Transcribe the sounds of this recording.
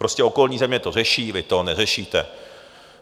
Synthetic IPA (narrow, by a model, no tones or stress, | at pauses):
pɾoscɛo̞ko̞lɲiːzɛmɲɛt̪o̞r̝ɛʃiːvɪt̪o̞nɛrɛʃiːt̪ɛ